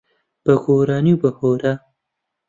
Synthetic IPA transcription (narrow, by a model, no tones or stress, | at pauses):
b̥ɐɡoːɾaːniwbɐhoːɾa